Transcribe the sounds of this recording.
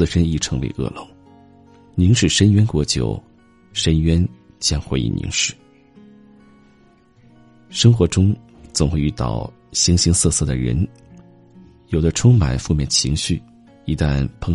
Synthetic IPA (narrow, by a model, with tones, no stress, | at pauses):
ʂə˥ni˥˩ʈ͡ʂʰɤ˧˥ŋwḛ˧˥ɪʔɤ̰˥˩lo˧˩˦ | ni˧˥ŋʂɻ̩˥˩ʂə˥nɥɛ˥nkwɔ˧˥t͡ɕjo̰˨˩ʊ | ʂə˥nɥɛ˥n | t͡ɕjɑ˥ŋxwe˧˥ɪḭ˥˩nḭ˧˥ŋʂɻ̩˥˩˦ | ʂɤ˥ŋxwɔ˧˥ʈ͡ʂʊ˥ŋ | t͡sʊ˨˩ŋxwe˥˧ɪy˥˧˩t̪ɑ̰˥˩ʊ | ɕi˧˥ŋɕi˧˥ŋsɤ˥˧sɤ˥˩d̪ə˩ɻə̰˧˥n | jo˨˩ʊd̪ə˦ʈ͡ʂʰʊ˥ŋma̰˨˩nfu˥˧mjɛ˥˩nt͡ɕʰi˧˥ŋɕy˥˩ | i˧˥t̪a˥˩npʰɤ˥˧